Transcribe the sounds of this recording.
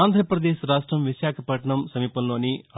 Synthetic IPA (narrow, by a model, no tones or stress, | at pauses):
nd̪ʱɾɐpɾɐd̪eːʃɾaːʂʈɾɐmʋiʃaːkʰɐpɐʈɐɳɐmsɐmiːpɐmloːni